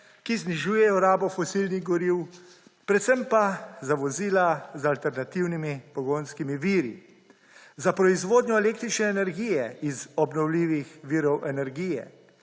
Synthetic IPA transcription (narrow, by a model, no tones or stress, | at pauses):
kizniʒuːjɛjɔɾaːbɔfɔsiːlniɣɡɔɾiw | pɾɛt̪sɛmpazaʋɔziːlazalt̪ɛɾnat̪iwnimipɔɡoːnskimiʋiːɾḭ | zapɾɔizʋoːd̪njɔɛleːk̚t̪ɾit͡ʃnɛːnɛɾɡijɛizɔbnɔwliːʋixʋiːɾɔwʔɛnɛɾɡiːjɛ̰